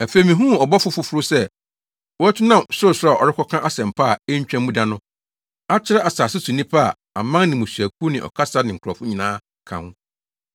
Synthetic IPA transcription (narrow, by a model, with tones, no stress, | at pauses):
æ˨fe˨mĩ˨ɦũ˦ɔ˨bɔ˦fʊ˦fʊ˦fʊ˦ɾʊ˦sɛ˦ | wɔ˦æ˦t͡ɕʰɪ˦nã˦˨mso˦˨sʊ˦a˨ɔ̰˨ɾɪ˦kʰɔ˦kʰã˦ʔa˦sɛ̃˨m̩˨pʰa˦˨ɛ˦ɲ˦t͡ɕᶣɛ̃˦m˦mũ˦dã˨nʊ̃˦ | a˦t͡ɕʰɪ˦ɾɛ˦ʔa˨saː˨sɪ˦su˨nĩ˦pʰa˦a˨ | a˨mã˦ŋnɪ̃˨mũ˨sɥæ˨k̚ʰu˦nɪ̃˨ʔɔ̰˨kʰa˦sa˦nɪ̃˨ŋ̩˨kʰɾɔ˨fʊ˦ɲĩ˨nãː˦ | kʰã̰˨ŋʊ̃˦